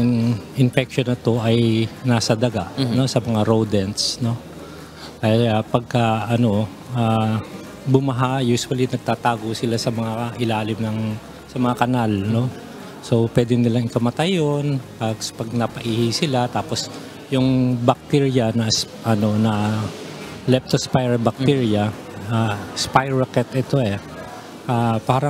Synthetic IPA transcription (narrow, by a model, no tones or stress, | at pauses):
ɐŋʔɪnfɛk̚ʃonɐt̪o̞ʔɐjnaːsɐd̪ɐɡaʔno̞sɐmɐŋaɾowd̪ɛnt̪sno̞ | ʔɐjaapɐɡ̚kɐʔɐno̞ | ʔaː | bʊmɐɦajuːsʊwɐlinɐɡ̚t̪aːt̪aːɡo̞sɪlasɐmɐŋaʔɪlaːlɪmnɐŋ | sɐmɐŋakɐnalno̞ | so̞pwɛːd̪ɪnɪlaŋɪkɐmɐt̪ɐjonpɐspɐɡ̚nɐpɐʔiːhɪsɪlat̪aːpo̞s | jʊŋbɐk̚t̪iɹjɐnɐs | ʔɐno̞nɐ | lɛp̚t̪ospajɹɐbɐk̚t̪iɹjɐ | aspajɹokɛt̪ʔɛt̪o̞ɛ | ʔaːpaːɾɐ